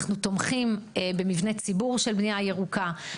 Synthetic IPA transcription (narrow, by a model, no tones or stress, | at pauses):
χnut̪o̞mχimebe̞mivnet͡sibuʁʃelbnijaje̞ʁuka